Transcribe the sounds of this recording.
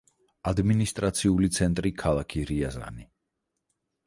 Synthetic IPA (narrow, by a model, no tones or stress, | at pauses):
ad̪minist̪ʼɾat̪sʰiulit̪sʰɛnt̪ʼɾikʰalˠakʰiɾiaza̰ni